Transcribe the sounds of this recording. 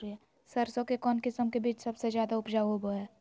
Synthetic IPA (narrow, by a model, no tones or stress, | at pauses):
iɦɛː | sɐɾsõkekɔːnkɪsəmkebiːt͡ʃsɐbsezjaːd̪aʊpd͡ʒaɦoboɦɛː